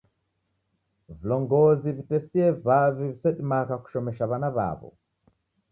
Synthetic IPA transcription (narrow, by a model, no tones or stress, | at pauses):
vilɔŋɡɔzivitɛsiɛvavivisɛɗimakaku̥ʃɔmɛʃaβanaβa̰βɔ̰